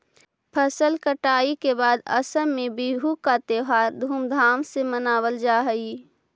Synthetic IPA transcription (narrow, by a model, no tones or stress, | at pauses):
pʰəsəlkəʈaːikebaːd̪ə̰səmːẽbiɦukat̪eːɦaːɾd̪ʱuːmd̪ʱaːmsemənaːwəld͡ʒaːɦəi